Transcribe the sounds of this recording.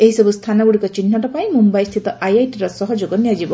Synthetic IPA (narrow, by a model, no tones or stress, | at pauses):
eɦisɔbust̪ʰanaɡuɽikɔt͡ʃinːɔʈɔpaj̃mumbajst̪ʰit̪ɔʔajajʈiɾɔsɔɦɔd͡ʒoɡɔniad͡ʒibɔ